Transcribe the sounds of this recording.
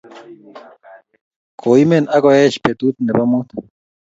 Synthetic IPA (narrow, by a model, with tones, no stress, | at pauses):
kʰo˨imɛ˨na˦kɔɛ˦ʃpe˨t̪ut̪̚nɛ˨ba˦mot̪